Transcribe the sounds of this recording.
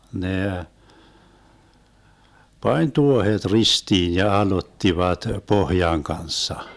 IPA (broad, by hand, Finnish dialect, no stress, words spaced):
neˑ pɑnʲ tuohet ristiːn jɑ ɑlotːiʋɑt pohjɑŋ kɑnsːɑ